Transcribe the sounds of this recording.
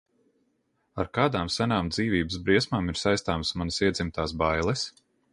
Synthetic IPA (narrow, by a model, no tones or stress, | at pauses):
aɾkaːd̪aːmsanaːmd̪ziːvʲiːbəsbɾiɛsmaːmiɾsajst̪aːmsmanəsiɛd̪zimt̪aːsbajlˠɛs